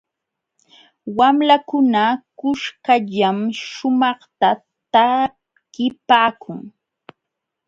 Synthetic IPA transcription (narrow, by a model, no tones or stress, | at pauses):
wamlakʊnakʊʃkaʎamʃʊmɑχt̪a | t̪a | kɪpaːkʰʊŋ